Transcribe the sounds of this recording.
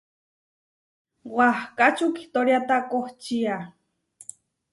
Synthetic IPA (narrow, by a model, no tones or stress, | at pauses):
wahkat͡ʃuki̥ht̪oɾjat̪akoht͡ʃia